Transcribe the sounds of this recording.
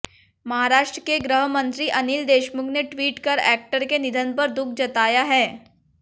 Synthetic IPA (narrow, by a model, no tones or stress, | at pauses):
mɐɦaːɾaːʃʈɾəkeɡɾəɦəmə̃nt̪ɾiʔɐniːld̪eːʃmʊkneʈʋiːʈkɐɾɛ̰ːk̚ʈəɾkenɪd̪ʱənpɐɾd̪ʊk̚ʰd͡ʒɐt̪aːjaɦɛː